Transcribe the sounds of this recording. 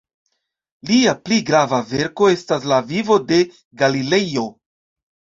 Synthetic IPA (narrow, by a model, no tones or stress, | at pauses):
liapliɡɾavave̞ɾko̞e̞stas̬lavivo̞de̞ | ɡalile̞jo̞